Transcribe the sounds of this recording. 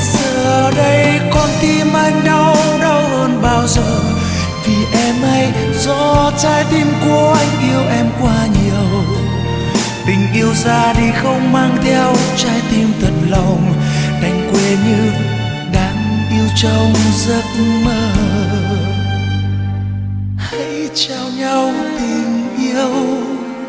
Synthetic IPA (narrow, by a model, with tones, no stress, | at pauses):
z̥əː˨˩ɗə˧jkɔ˨˧˩nt̪i˧mʔa˧jŋ̟ɗə˧wɗə˧whəː˧nɓaː˧wzəː˨˩ | vi˨˩ʔɛ˧mʔa˧j | zɔ˧˥t͡ɕaː˧jt̪i˧mku˨˩əʔa˧jŋ̟ʔi˧əwʔɛ˧mkwaː˧ɲi˨əw | t̪ï˨˩ŋ̟ʔi˧əwzaː˧ɗi˧˩xə˧wŋ͡mmaː˧ŋt̪ʰɛ˧əwt͡ɕaː˧jt̪i˧mt̪ʰə˨˩nlə˨˩wŋ͡mt̪a˨˩jŋ̟kwe˨˩ɲɨ˧ | ɗa̰ː˧˥ŋʔi˧əwt͡ɕə˧wzə˧˥t̚məː˧˩ | ha˧˥j | t͡ɕa˧wɲa˧wt̪i˨˩ŋ̟ʔi˧əw